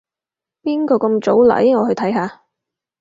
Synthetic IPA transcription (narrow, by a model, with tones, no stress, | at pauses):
piː˥nkɔː˧kɐ˧mt͡so˨˥wla̰ː˨˥jŋɔː˨˧hɵ˧jt̪ʰɐ˨˥jɦaː˨˧